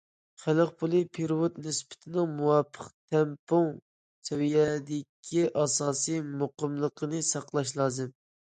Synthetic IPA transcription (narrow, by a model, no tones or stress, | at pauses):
χæləqpʰulˠɨpʰeɾwot̪nɪspɪ̥t̪ʰɪnɪŋmuwɑpʰːəqt̪ʰɛmpoŋ | sʰɛwijɛd̪ɪkʲʰːiʔɑsɑːsijmoqəmlˠəqʰənɨsɑqlˠɑʃlˠɑːzɨm